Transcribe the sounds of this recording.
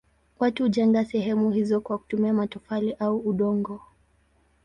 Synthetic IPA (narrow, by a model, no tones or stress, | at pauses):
watuhuʄaŋɡasɛɦɛmuhizɔkwaku̥tumiamatɔfaliʔauuɗɔŋɡɔ